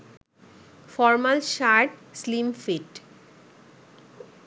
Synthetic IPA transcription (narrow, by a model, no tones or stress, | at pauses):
fɔɾmalʃaɾʈslimfiʈ